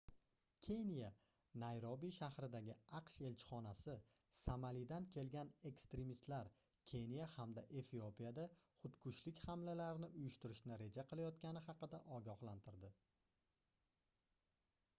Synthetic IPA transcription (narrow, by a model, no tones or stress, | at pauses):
kʲʰe̞nʲija | najɾɒbiʃahɾɪd̪aɡʲɪɑqʃe̞lt͡ʃʰɪ̥χɒnasɪ | samalid̪ankʲʰe̞lɡʲane̞kst̪ɾe̞mist̪laɾ | kʲʰe̞nijahamd̪aʔe̞fiopʰijad̪aχʊt̪kʰʊʃlɪkʲhamlalaɾɪnɪʔʊjʊʃt̪ɪɾɪʃnɪɾe̞d͡ʒaqʰɨlˠajɒt̪̚kʲanɪhɑqɨd̪aʔɒɡʲɒhlˠant̪ʰɪɾd̪ɪ